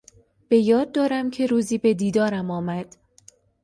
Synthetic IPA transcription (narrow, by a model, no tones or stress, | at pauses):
b̥e̞jɒːd̪̚ːɒːɾæmcʰe̞ɾuːziːbe̞d̪iːd̪ɒːɾæmɒːmæd̪̥